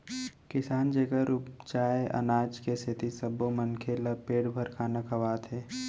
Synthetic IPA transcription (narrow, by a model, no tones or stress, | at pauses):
kɪsaːnd͡ʒeɡəɾupt͡ʃaːeʔɐ̰naːd͡ʒkesʰɪt̪isɐbomənkʰelapeːɽbʱəɾkʰaːnakʰɐʋaːt̪ɦeː